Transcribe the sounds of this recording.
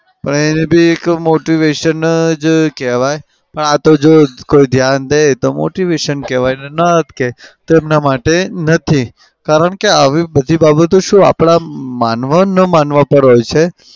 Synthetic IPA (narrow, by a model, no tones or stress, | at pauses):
pəɳenebʱiekmoʈiʋeʃənd͡ʒkeʋaj | pəɳat̪od͡ʒokoid̪ʱjand̪et̪omo̰ʈiʋeʃənkɛʋajnenəɦət̪ket̪oemnamaʈenət̪ʰi | kaɾəɳkeaʋibəd̪ʱibabət̪oʃũa̰pɽamanʋanəmanʋapəɾɦojt͡ʃʰe